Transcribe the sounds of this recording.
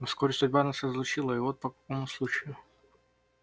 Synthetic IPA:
fskoɾʲɪsʊdʲbaɐnasəzlˠʊt͡ɕilˠəɪvot̪̚pəkɐkomʊslˠut͡ɕɪjʊ

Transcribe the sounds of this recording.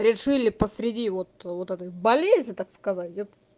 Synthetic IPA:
ɾʲɪʂɨlʲɪpəsɾʲɪdʲivo̞t̪vot̪ɛt̪̬əjbɐlʲezʲnʲɪt̪akskɐzatʲɛt̪

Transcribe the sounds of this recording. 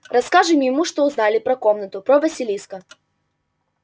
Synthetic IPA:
rɐskaʐɨmjɪmuʂt̪oʊznalʲɪpɾɐkomnət̪ʊpɾovɐsʲɪlʲiskə

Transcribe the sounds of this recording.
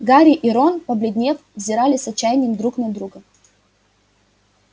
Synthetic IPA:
ɡaɾʲɪʔɪɾonpəblʲɪd̪ʲnʲe̞fvzʲɪɾalʲɪsɐt͡ɕːæjnʲɪjɪmd̪ɾuknɐd̪ɾuɡə

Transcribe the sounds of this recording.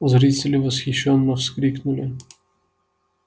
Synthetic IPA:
zɾisʲɛlʲiʋɔsxiʃɔnːɔwskɾiknulʲi

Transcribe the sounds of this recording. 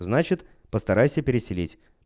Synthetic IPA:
znat͡ɕɪt̪ | pəst̪ɐɾajsʲəpʲɪɾʲɪsʲɪlʲitʲ

